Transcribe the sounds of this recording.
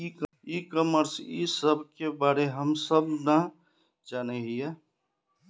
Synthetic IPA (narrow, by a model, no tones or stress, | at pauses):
i | ikəməɾsḭsəbʱkebaːɾeɦəmsəbna | d͡ʒaːneɦijɛ